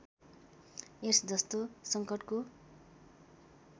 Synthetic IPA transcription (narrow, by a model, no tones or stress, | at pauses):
esd͡zʌst̪osʌŋkʌʈko